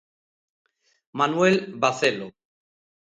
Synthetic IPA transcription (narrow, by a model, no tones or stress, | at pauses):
manuwelbaθelo